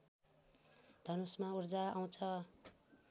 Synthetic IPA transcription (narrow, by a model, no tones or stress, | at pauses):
d̪ʱʌnusmaurd͡zaaw̃t͡sʰʌ